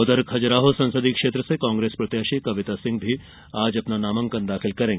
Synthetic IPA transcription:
ot̪əɾkʰɐd͡ʒɾaːɦosɐ̃nsəd̪ikʂeːt̪ɾəsekãːŋɡɾespɾɐt̪jaːʃikɐʋit̪asɪ̃ŋɡbʱi | aːd͡ʒɐpnanaːmɐŋkɐnd̪akʰilkɐɾẽŋɡe

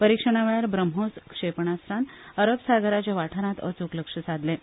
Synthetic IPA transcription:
pəɾikʂəɽ̃aʋeɭaɾbɾəmɦoskʂepɳast̪ʰanəɾəpsaɡəɾat͡ɕjaʋaʈʰəɾãt̪ə̰t͡sukləkʂəsad̪le

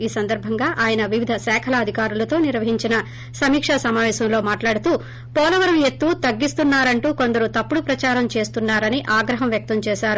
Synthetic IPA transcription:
iːsɐnd̪ɐɾbʱɐŋɡaːʔaːjɐnɐʋiʋid̪ʱɐsɛːkʰɐlɐːd̪ʱikaːɾulɐt̪o̞ːniɾʋɐɦiɲt͡ʃinɐ | sɐmiːkʂɐsɐmaːʋɛːsɐmlo̞ːmaːʈlaːɽut̪uː | pɔːlɐʋɐɾɐmjet̪ːuːt̪ɐɡːist̪unːaːɾɐɳʈuːko̞nd̪ɐɾut̪ɐpːuɽupɾɐt͡ʃaːɾɐmt͡ʃe̞ːst̪unːaːɾɐniʔaːɡɾɐɦɐmʋjɐk̚t̪ɐmt͡ʃɛːʃaːɾu

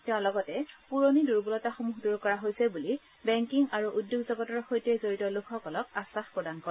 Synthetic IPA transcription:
tɛʊ̃lɔɡɔtɛpuɹoniduɹbulɔtaxomuxduɹkɔɹaɦojsɛbuli | bɛŋkiŋaɹuʔudjoɡzɔɡɔtɔɹxojtɛjzoɹitɔlukʰɔkɔlɔk̚asaxpɹɔdankɔɹ

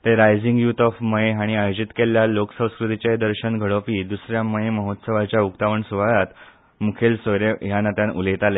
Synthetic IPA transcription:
t̪eɾajd͡ziŋɡjuːt̪ɔfməeɦaɽ̃iajod͡ʑit̪keljaloksə̃w̃skɾut̪it͡ɕaed̪əɾɕəɳɡʱəɽopiːd̪usɾjaməjeməɦot̪səʋat͡ɕjaukt̪aʋəɳsuʋaɭat̪ | mukʰelsəɾeɦjanat̪janṵlet̪ale

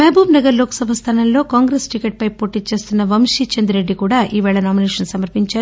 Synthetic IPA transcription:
mɐːbʱuːmnɐɡɐɾloːksɐbʱɐst̪ʰɐːnɐnlo̞ːkaːŋɡɾeːsʈikeːʈ̚pɐjpo̞ːʈiːt͡ʃe̞ːst̪unːɐʋɐmʂit͡ʃɐnd̪uɾe̞ɖːikuːɽaːʔiːʋɛːɭɐnaːmineːʂɐnsɐmɐɾpiɲt͡ʃaːɾu

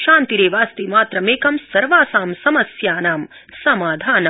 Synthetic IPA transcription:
ʃaːnt̪iɾeːʋaːst̪iːmaːt̪ɾɐmeːkɐmsɐɾʋaːsaːmsɐmɐsjaːnaːm | sɐmaːd̪ʱaːnɐ

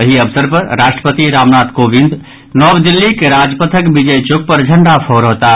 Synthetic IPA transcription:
əɦiəbsəɾpəɾɾaʃʈɾəpət̪iɾamnat̪kobĩnd̪ | nɔbd̪ilːikeɾad͡ʒpət̪ʰəkbid͡ʒejt͡ʃok̚pəɾd͡ʒʱəɳɖapʰoɾɦot̪a

